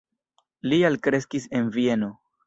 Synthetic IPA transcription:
lialkɾe̞s̬kise̞nvie̞no̞

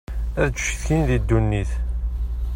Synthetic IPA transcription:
æðd̪ʃθçinðid̪ːunːiθ

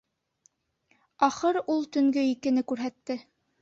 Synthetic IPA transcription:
ɑχɤɾulˠt̪ɵ̆ŋɡɵikɘ̆nɘkʉɾɦæt̪ːɘ

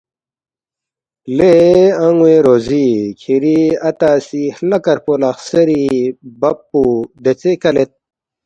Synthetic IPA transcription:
leɐŋɡweɾoːzikʰiɾiɐt̪asihlɐkɐɾpolaxsɐɾibɐpːud̪et͡sekɐlet̪̚

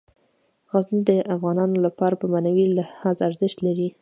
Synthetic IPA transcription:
ɣaznid̪əʔafɣɑnɑnolapɑɾapəmanawilɪhɑzaɾzɪʃt̪laɾi

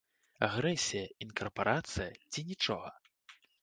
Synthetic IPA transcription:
a̰ɣɾɛsʲijɐinkɐrpaɾʔat̪sɨjɐt͡sʲinʲit͡ʂɔɣɐ

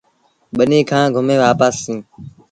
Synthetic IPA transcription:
ɓənĩːkʰãːɡʱʊmẽːʋaːpaːsːĩː

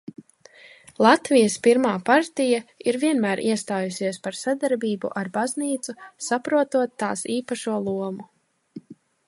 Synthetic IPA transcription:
lˠat̪vijəspiɾmaːpaɾt̪ijaiɾviɛnmæːɾʔḭɛst̪aːjusiɛspaɾsad̪aɾbiːbṵʔaɾbazniːt̪susapɾuɔt̪uɔt̪ːa̰ːsiːpaʃuɔlˠuɔmu

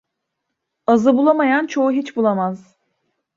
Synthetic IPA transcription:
azɯbulˠamajant͡ʃʰo̞uɦit͡ʃbulˠamaz̥

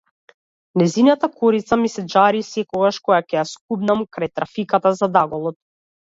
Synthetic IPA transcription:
nɛzinat̪akɔɾit̪samisɛd͡ʒaɾisɛkɔɡaʃkɔjakʲɛjaskubnamkɾajt̪ɾafikat̪azad̪aɡɔlˠɔt̪̚

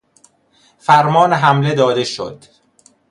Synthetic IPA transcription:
fæɾmɒːneɦæmle̞d̪ɒːd̪e̞ʃo̰d̪̥

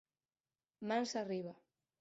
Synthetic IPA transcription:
mansariβa

